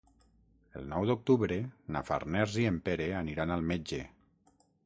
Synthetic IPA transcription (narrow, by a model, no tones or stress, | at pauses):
əlˠnɔwd̪uk̚t̪uβɾena̰fa̰rnɛɾziempeɾeaniɾanalˠmed͡ʒḛ